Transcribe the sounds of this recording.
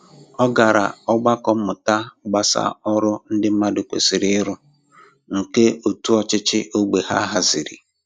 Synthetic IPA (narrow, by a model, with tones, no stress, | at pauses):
ɔ˦ɡa˨ɾa̰˨ɔ˦ɡ͡ba˦kɔ˦m̩˦mʊ˨ta˦ɡ͡ba˦sa̰˦ɔ˦ɾʊ˦n̩˦dɪ˦m̩˦ma˦dʊ˨kʷḛ˨si˨ɾɪ˦ɪ˦ɾʊ˦ | ŋ̩˨ke˦o˨tu˦ɔ˦˨t͡ʃɪ˦t͡ʃɪ˦ʔo˦ɡ͡be˨ha̰˦ɦa˨zɪ˨ɾḭ˨